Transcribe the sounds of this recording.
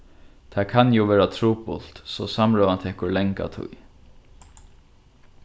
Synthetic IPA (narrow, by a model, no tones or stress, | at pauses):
t̪ʰaːkʰanjuːʋɛːɹat̪ʰɾuːpʊ̰l̥t̪sɔsamɹɔːvant̪ʰɛːhkʊlɛŋka̰t̪ʰʊ̰j